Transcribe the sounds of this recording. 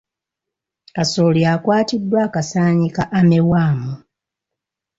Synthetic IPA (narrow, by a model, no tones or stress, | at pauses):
asoljakwaːtidːwaːkasaːɲikaʔamewaːmu